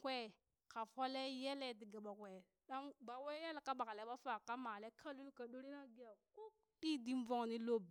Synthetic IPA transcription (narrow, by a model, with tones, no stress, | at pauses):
kwe˦ | ka˨fo˦le˦je˦le˦di˨ɡa˨ɓa˨kwe˨ | ɗa˦ŋba˨we˦je˦lka˦ɓa˨ka˨le˨˦ɓa˦fa˨ka˦ma˨le˦kʰa˦lu˦lka˨ɗo˦ɾi˦na˦ɡi˦ja˨ku˦ | ɗi˦di˦m˦vo˦ŋ˨ni˦lo˦b